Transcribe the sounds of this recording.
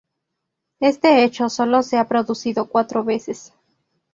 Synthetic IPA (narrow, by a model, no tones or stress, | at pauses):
e̞st̪eet͡ʃo̞so̞lo̞seapɾo̞ðusiðokwat̪ɾoβe̞ses